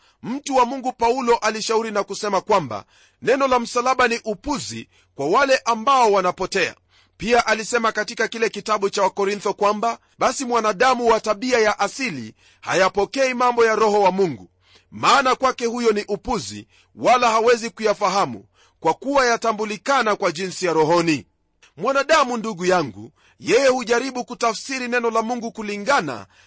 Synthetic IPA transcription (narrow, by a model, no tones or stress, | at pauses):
m̩tuwamuŋɡupaulɔʔaliʃauɾinakusɛmakwamba̰ | nɛnɔlam̩salaɓaniʔupuzḭ | kwawalɛʔambaɔwanapɔtɛa̰ | piaʔalisɛmakatikakilɛkitaɓut͡ʃawakɔɾint̪ɔkwamba | ɓasimwanaɗamuwataɓiajaʔasilḭ | ha̰japɔkɛimambɔjaɾɔɦɔwamuŋɡu | maːnakwakɛhujɔniʔupuzḭ | walaɦawɛzikujafaɦamṵ | kwakuwajatambulikanakwaʄinsijaɾɔɦɔni | mwanaɗamunduɠujaŋɡṵ | jɛjɛhuʄaɾiɓukutafsiɾinɛnɔlamuŋɡukuliŋɡana̰